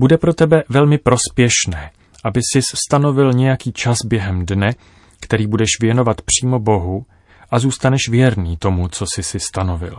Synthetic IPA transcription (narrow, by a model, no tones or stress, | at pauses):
budɛpɾo̞t̪ɛbɛvɛlmɪpɾo̞spjɛʃnɛː | ʔabɪsɪsst̪ano̞vɪlɲɛjakiːt͡ʃasbjɛɦɛmdnɛ | kt̪ɛɾiːbudɛʃvjɛno̞vat̪pr̝̥iːmo̞bo̞ɦu | ʔazuːst̪anɛʃvjɛɾniːt̪o̞mut͡so̞sɪsɪst̪ano̞vɪ̰l